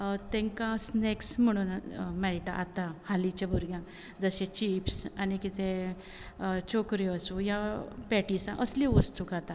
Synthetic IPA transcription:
t̪ẽŋkãsneksm̤əɽ̃uːnmɛɾʈa̰ʔat̪ãhalit͡ɕabʱuɾɡjãk | d͡zəɕẽt͡ɕipsanikit̪ẽ | t͡ɕokɾjiasũjapɛʈisã̰ʔəslĩʋəst̪ʰukat̪a

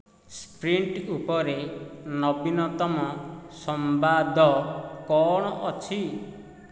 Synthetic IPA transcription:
spɾiɳʈupɔɾenɔbinɔt̪ɔmɔsɔmbad̪ʱɔkɔɽ̃ɔʔɔt͡ʃʰi

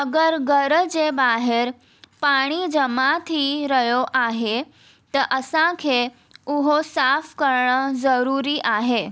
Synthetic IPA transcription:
əɡəɾɡəɾəd͡ʒebaɦeɾ | paɽ̃id͡ʒəmãt̪ʰiɾəjoʔaɦe | t̪əʔəsãkʰe | uɦosafkəɾɳəzəɾuɾiʔaɦe

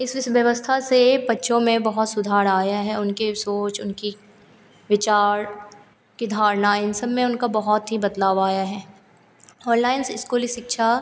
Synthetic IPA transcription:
ɪsɪsʋjəʋəst̪ʰasebɐtːʃʰõmẽbɐɦʊt̪sʊd̪ʱaːɾaːjaɦɛʊnkesoːt͡ʃʊnki | ʋɪt͡ʃaːɾ | kid̪ʱaːɾnaɪnsəbmẽʊnkabɐɦɔt̪ɦibɐd̪laːʋaːjaɦɛː | ɔːnlaːɪnsɪskoːliʃɪkʃʰa

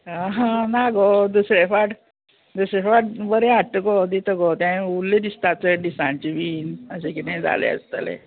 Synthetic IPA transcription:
aɦãnaɡod̪usɾefaʈ | d̪usɾefaʈ̚bəɾeaʈːəɡod̪it̪əɡot̪jãulːed̪ist̪at͡səɖisãnt͡ɕiʋiːnəɕekit̪ẽd͡za̰lḛə̰st̪ə̰lḛ

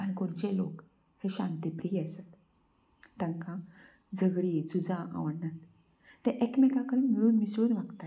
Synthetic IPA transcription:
aɽ̃ikoɾd͡ʑelok | heɕãnt̪ipɾiasat̪ | t̪ːãŋkã | d͡zəɡɽiːd͡zud͡zãʔa̰ʋnat̪ː | ɛʔekmikakəɽinmiɭuːnmisɭuːnʋaɡt̪a

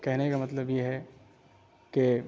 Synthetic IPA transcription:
kɛɦnekamɐt̪ləbjeɦɛ | ke

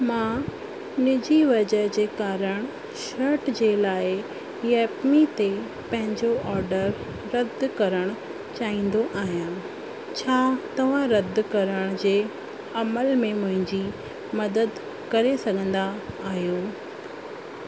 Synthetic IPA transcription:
mãː | nɪd͡ʑiʋɐd͡ʑəd͡ʑeːkaːɾəɽ̃ | ʃɐɾʈd͡ʑeːlaːɪ | jɛːpmit̪e | pɐ̃ɦɪ̃ɲd͡ʑoʔɔːɾɖəɾː | ɐd̪ʱkɐɾəɽ̃ | t͡ɕaːɦĩːn̆d̪oʔaːɦijãː | t͡ɕʰaːt̪ɐʋ̤ãɾɐd̪ʱkɐɾəɽ̃d͡ʑeː | ɐməlmẽmʊ̃ɦɪ̃ɲd͡ʑi | mɐd̪əd̪ | kɐɾesɐɡʱə̃nd̪aːɦjoː

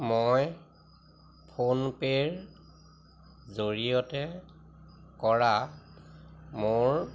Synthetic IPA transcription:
moj | pʰonpeɹ | zoɹijɔtɛ | kɔɹa | mʊɹ

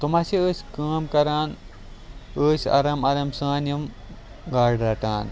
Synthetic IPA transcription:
t̪umaːsiəːsʲkaːmkɐɾaːn | əːsʲɐ̰ɾɐmɐɾɐmsaːnim | ɡaːɖɾɐʈaːn

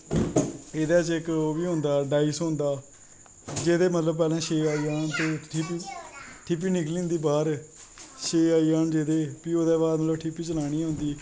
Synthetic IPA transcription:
ɪd̪aːt͡ʃɪkoːʋiːɦõnd̪aːɖaːisɦõːnd̪aː | d͡ʒeːd̪eːmət̪ləbpɛːlãːʃeːaːiːaːnt̪oːpiʈʰɪp̬ːiːnɪkliːnd̪iːbaːɾ | ʃeːaːiːaːnd͡ʒeːd̪eːpiːoːd̪ɛːbaːd̪mət̪ləbʈʰɪpiːt͡ʃəlaːɽ̃iːɦʊ̃ːnd̪iː

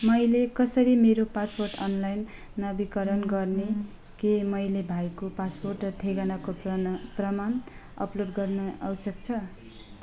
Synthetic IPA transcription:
mʌjlekʌsʌɾimeɾopasporʈʌnlajnː | ʌbikʌɾʌnɡʌrne | kemʌjlebʱajkopasporʈrʌt̪ʰeɡanakoprʌmanʌ̰ploɖɡʌrnʌʌ̰wsʌk̚t͡sʰʌ

